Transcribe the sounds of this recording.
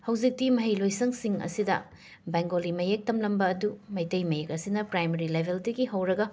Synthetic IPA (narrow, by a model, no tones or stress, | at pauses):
hɐwzik̚timɐɦɐjlojsɐŋsiŋɐ̰sidɐ̰ | baŋɡolimɐjek̚tɐmlɐmbɐːdumɐjtɐjmɐjek̚ɐsinɐpɾajmɐɾilebʱeldɐɡiɦɐwɾɐɡɐ